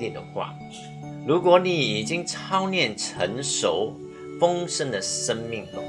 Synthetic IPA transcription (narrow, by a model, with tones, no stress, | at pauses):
i˥˩d̪ə̰˨xwa̰˥˩ | lu˧˥kwɔ˨˧˥ni˨˩i˨˩t͡ɕi˥ŋʈ͡ʂʰɑ˥ʊnjɛ˥˩nʈ͡ʂʰə˧˥˦nʂo˧˩ʊ | fɤ˥ŋʂə˥nd̪ə˨ʂə˥nmi˥˩ŋt̪ʊ̰˨˩